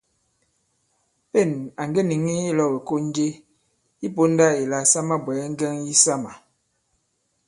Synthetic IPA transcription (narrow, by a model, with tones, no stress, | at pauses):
pe˦˨na˨ŋɡe˦ni˨ŋi˦e˦lɔ˦˨be˨ko˦n˦d͡ʒe˦ | i˦po˦n̩˦da˦e˨la˨sa˦ma˦bwɛ˨˦ŋ̩˦ɡɛ˦ŋji˦sa˦ma˨